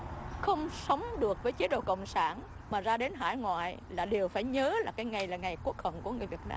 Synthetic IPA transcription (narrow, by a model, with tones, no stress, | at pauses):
xə˧wŋ͡msə˨˦wŋ͡mɗɨ˨˩ək̚vəː˨˦jt͡ɕi˨˦ɗo̰˧˨kə̰˧˨wŋ͡msaː˧˩n | maː˨˩zaː˧ɗe˨˦nɦa̰ː˧˩jŋwa̰ː˧˨jlaː˨˩ɗe˨˩wfaː˧˩jɲəː˨˦laː˨˩kaː˨˦jŋa˨˩jlaː˨˩ŋa˨˩jku˦˥ək̚hə̰˧˨nku˧˩əŋ˨˩əjvi˨˩t̚na̰ː˧˦